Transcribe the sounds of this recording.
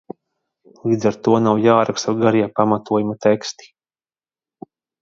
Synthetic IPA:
lˠiːd̪zaɾt̪uɔnawjaːɾakst̪aɡaɾiɛpamat̪uɔjumat̪ɛkst̪i̥

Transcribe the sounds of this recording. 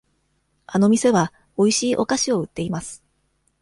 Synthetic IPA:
ano̞mʲise̞βa | o̞iɕiːʔo̞kaɕio̞ɯ̟t̪ːe̞imasɨ̥

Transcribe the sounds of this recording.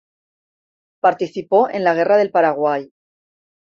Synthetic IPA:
paɾt̪iθipo̞ʔẽ̞nlaɣ̞e̞raðe̞lpaɾaɣ̞waj

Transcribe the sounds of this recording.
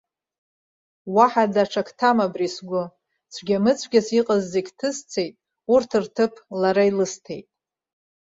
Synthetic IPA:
waħadaʈ͡ʂʰakʰtʰamabrisɡʷʊ | t͡sʷʰɡʲamɨt͡sʷʰɡʲasiqʼəzːeɡʲtʰɨst͡sʰe̞jtʼ | urtʰɨrtʰɨpʰlaɾailɨstʰe̞̰jtʼ

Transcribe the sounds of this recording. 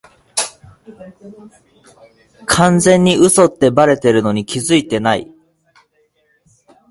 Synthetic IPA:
kʰãnd͡zẽ̞ɲ̟ːiɯ̟so̞t̪ːe̞baɾe̞t̪e̞ɾɯ̟no̞ɲ̟ikʲizɨit̪e̞nai

